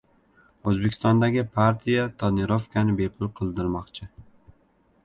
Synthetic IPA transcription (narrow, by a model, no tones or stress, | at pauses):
ɵzbekʲʰɪst̪ɒnd̪aɡʲɪpʰaɾt̪ʰijat̪ʰɒnɪɾofkʲʰanɪbe̞pʰʊlˠqʰɨlˠd̪ɪɾmɒqt͡ʃʰɪ